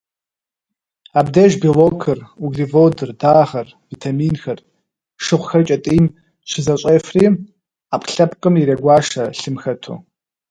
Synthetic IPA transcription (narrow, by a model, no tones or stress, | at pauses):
aːbdɐʒbiloːkʰɨruɡɮivoːdɨrdaːʁɐr | vitʰamiːnxɐr | ʂɨʁʷxɐrt͡ʃʼɐtʼiːm | ɕʷɪzɐɕʷʼeːfriː | apʼɬɐpʼqʼɨmiɾɐɡʷɑːʂɐɬɨmxɐtʰo̰ː